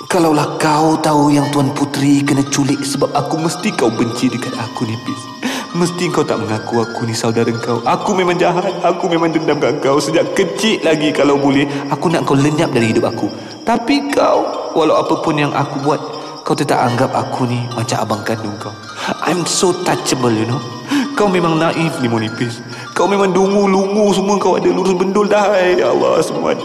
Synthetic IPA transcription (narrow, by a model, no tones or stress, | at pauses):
kalawlahkat̪aujaŋt̪uanput̪ɾikənat͡ʃulɪʔsəbap̚akuməst̪ikawbəɲt͡ʃidəkat̪̚akunipɪs | məst̪iəŋkawt̪aʔməŋakuakunisaudaɾaəŋkawʔakumemãŋd͡ʒaɦat̪̚akumemãŋdəndamkaʔəŋkawsəd͡ʒaʔkət͡ʃɪʔ̪laɡikalawbolɛhakunaʔŋkawləɲap̚daɾiɦidʊp̚aku | t̪apikawwalawapəpʊnjaŋʔa̰kubuat̪̚ | kawt̪ət̪a̰ʔaŋɡap̚a̰kʰunimat͡ʃamʔa̰baŋkandʊŋkaw | ʔa̰jmsot̪at͡ʃəbəljuno | kawmemãŋnaʔɪfdimonipɪs | kawmemãŋdumulumus̬əmuəəŋkawa̰daluɾʊsbəndʊldaɦjjaa̰lːɑ̰səmua̰t̪